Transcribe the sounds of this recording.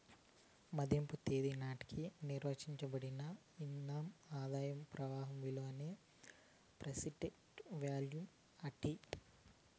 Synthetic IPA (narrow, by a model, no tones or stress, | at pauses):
mɐd̪ʱjɐmput̪eːd̪inaːʈi̥kʰiniɾʋɐt͡ʃiɲt͡ʃɐbɐɽinɐ | inːaːmaːd̪aːjɐmpɾɐʋaːɦɐmʋiloːneː | pɾɐsiɖeʈʋjaːljum | ɐʈi